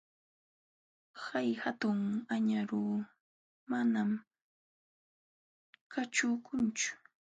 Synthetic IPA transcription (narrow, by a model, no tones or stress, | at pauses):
hajhat̪ʊŋaɲaɾuː | manam | kat͡ʃʊːkʊnt͡ʃʊ̥